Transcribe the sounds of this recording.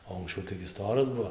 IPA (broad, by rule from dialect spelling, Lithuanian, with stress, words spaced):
oː ɐŋksʲˈt͡ʃʲɛʊ tɐɪɡʲɪ ˈstoːrɐs ˈbuɔ